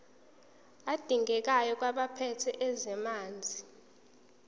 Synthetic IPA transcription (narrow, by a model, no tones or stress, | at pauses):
ad̥ʱiŋɡɛk̬ajɔk̬ʼwaɓapʰɛtʰɛʔɛzɛmaːnd͡zʱi